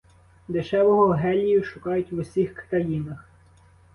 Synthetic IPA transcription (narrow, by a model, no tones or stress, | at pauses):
d̪ɪʃɛʋɔɦɔɦɛlʲijʊʃʊkɑjʊtʲʋʊsʲixkt̪ɐjinɐx